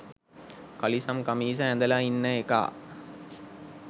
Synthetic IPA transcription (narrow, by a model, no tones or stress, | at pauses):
kɐlisɐmkɐmiːs̬ɐæ̃nd̪ɐlainːɐeka̰ː